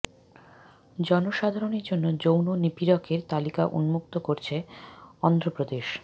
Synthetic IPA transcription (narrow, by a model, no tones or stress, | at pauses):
d͡ʑɔnoʃad̪ʱaɾoneɾd͡ʑonːod͡ʑownonipiɾɔkʰeɾt̪alika̰ʔṵnmuk̚t̪okoɾt͡ɕʰeɔnd̪ɾopɾod̪eʃ